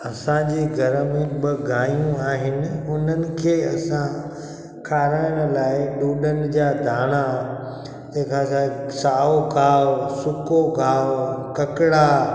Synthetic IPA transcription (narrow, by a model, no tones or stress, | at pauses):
ɐsãd͡ʑiːɡʱɐɾmẽbɪɡʱaːjũaːɦɪnɪʊn̤ənɪ̆kʰeːɐsã | kʰaːɾaːəɽ̃̆laːɪɗuːɗənɪ̆d͡ʑaːd̪ʱaːɽ̃a | d͡ʑẽːkʰasasaːokaːʋsʊkokʰaːʋkɐkɪɽa